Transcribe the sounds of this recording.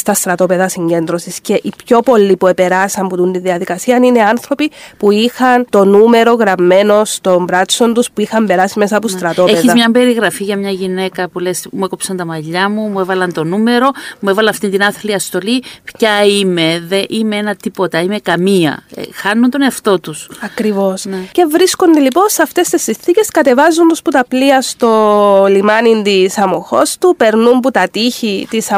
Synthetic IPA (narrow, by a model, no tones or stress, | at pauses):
st̪ɐst̪ɾɐt̪o̞pe̞ðɐsiɲɟe̞nd̪ɾosisce̞ʔipço̞po̞lːipue̞pe̞ɾɐsɐmput̪unt̪inðiɐðikɐsiɐnineɐnθɾo̞pipuixɐnt̪o̞nume̞ɾo̞ɣɾɐmːe̞no̞st̪o̞mbɾɐt͡sːo̞nt̪uspuixɐmbe̞ɾɐsime̞sɐːpost̪ɾɐt̪o̞epeðiɐzmɲɐmbe̞ɾiɣɾɐfiʝɐmɲɐʝine̞kɐpule̞smuekopsɐnt̪ɐmɐʎːɐmumuevɐlɐnt̪o̞nume̞ɾo̞muevɐlɐɐft̪ind̪inɐθliɐst̪o̞lipçɐime̞ðeʔimeenɐt̪ipo̞t̪ɐime̞kɐmiɐ̰xɐnːunt̪o̞neɐft̪o̞t̪usɐkɾivo̞snce̞vɾisko̞nd̪elipo̞nsɐft̪e̞st̪esːinθice̞skɐt̪e̞vɐzːund̪osput̪ɐpliɐst̪o̞limɐnind̪isɐmoxo̞st̪upe̞ɾnumput̪ɐt̪içit̪isɐ